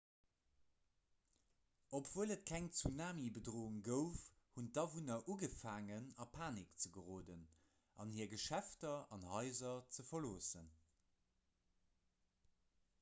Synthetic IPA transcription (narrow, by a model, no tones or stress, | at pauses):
opv̥uələt̚kʰæŋt͡sunaːmibədʁoːuŋɡəʊf | huntdɑvunɐʔuɡəfaːŋənɑpʰaːnikt͡səɡəʁoːdən | ʔɑ̰nhiːɐɡəʃæftɐɑnhɑɪzɐt͡səfɐloːsən